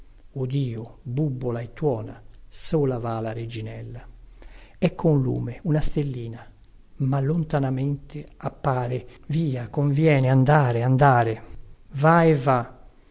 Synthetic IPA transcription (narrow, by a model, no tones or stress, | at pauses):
od̪iːobubːolaet̪ːwɔːna̰soːlavaːlaɾed͡ʒinɛlːa | ɛkʰːonlṵːmeunast̪elːiːna | malont̪anamɛnt̪ʰeapːaːɾeviːakoɱvjɛːneand̪aːɾeand̪aːɾevaɛva